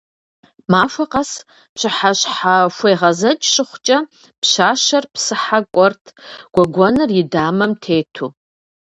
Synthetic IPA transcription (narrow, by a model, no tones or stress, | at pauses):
maʃʷaqʼas | pɕʷɨħaʃħaʃʷejʁazɐt͡ʃʼʃɨχʷt͡ʃʼɐ | pʰʃʷaʃarpʰsɨħakʷʼɔrtʰɡ̥ʷaɡʷanɨridaːmɐmtʰeːtʰu